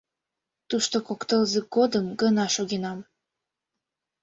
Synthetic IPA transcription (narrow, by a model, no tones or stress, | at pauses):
t̪uʃt̪okokt̪əlzɨk̚ɡod̪əmɡənɑʃoɣenɑm